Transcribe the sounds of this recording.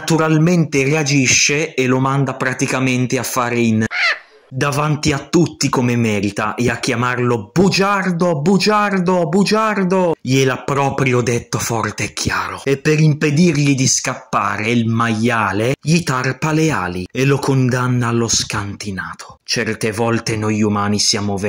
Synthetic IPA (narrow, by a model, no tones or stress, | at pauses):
nt̪uɾalment̪eread͡ʒiʃːeːlomand̪apɾat̪ikament̪eafːaːɾein | d̪avant̪iat̪ːut̪ːikomemɛːɾit̪a̰ʔeakːjamarlobud͡ʒard̪obud͡ʒard̪obud͡ʒard̪ojelapːɾɔːpɾjod̪et̪ːofɔrt̪eɛkʰːjaːɾoepːeɾimped̪irʎid̪iskapːa̰ːɾeilmaʎːaːleʎit̪arpalea̰ːlielokond̪anːaːloskant̪inaːt̪ʰo̥t͡ʃɛrt̪evɔlt̪enojumaːnisjaːmov